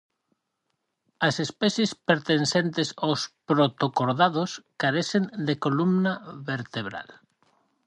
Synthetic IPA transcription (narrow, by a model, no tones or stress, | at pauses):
asespɛθjespeɾt̪ensent̪esawspɾot̪okoɾðað̞oskaɾeθend̪ekolumnaβeɾt̪eβ̞ɾa̰l